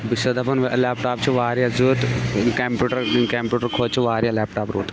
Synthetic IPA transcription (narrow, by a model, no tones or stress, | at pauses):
bisɐd̪ɐpɐnʋleːpʈaːpt͡ʃʰiʋaːɾijazuːt̪kempuːʈɐɾkeːmpjuːʈəɾkʰoːt͡ʃʰiʋaːɾjalɛːpʈaːpɾuːt̪